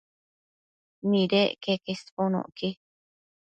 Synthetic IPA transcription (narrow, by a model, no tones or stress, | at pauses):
nĩɾekekesponõ̰ʔki